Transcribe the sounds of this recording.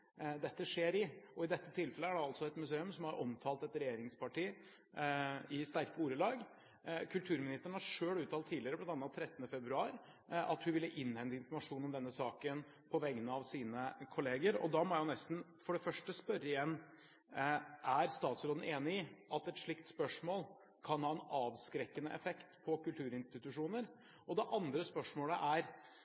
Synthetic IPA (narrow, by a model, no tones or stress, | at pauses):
d̪ɛt̪ːəʂeːɾɪɔɪd̪ɛt̪ːət̪ʰɪlfɛləæɖɛɑlsɔɛt̪mʉseːʉmsɔmhɑɾʔɔmt̪ʰɑːlt̪ɛt̪ɾɛjeːɾɪŋspʰɑʈiː | ɪst̪æɾkəuːɾəlɑːɡ | kʰʉlt̪ʰʉːɾmɪnɪst̪əɾəɳ̩hɑɾʂøːɽʉːt̪ʰɑːlt̪ʰːiːlɪəɾəblɑnt̪ɑnːɑt̪ʰɾɛt̪ːənəfɛbɾʉɑːɾ | ɑ̰t̪hʉʋɪlːəʔɪnːhɛnd̪əɪnfɔɾmɑʂuːnɔmd̪ɛnːəsɑːkən | pʰɔʋɛŋːənəɑʋsiːnəkʰʊleːɡəɾɔ̰d̪ɑmɔjæʊnɛst̪n̩ | fɔɖɛfœʂʈəspœɾːəɪjɛnː | ʔæɾst̪ɑːt̪sɾoːn̩ʔeːnɪɪʔɑt̪ɛt̪ʂɭɪkt̪spœʂmoːl | kʰɑnhɑːɛnɑːʋskɾɛkːənəʔɛfɛkt̪pʰɔkʉlt̪ʰʉːɾɪnst̪ɪt̪ʉʂuːnəɾ | ʔɔd̪ɛʔɑnd̪ɾəspœʂmoːləʔæɾ